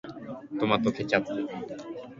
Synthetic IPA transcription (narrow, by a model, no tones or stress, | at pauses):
t̪omat̪okʰet͡ɕat̪ːe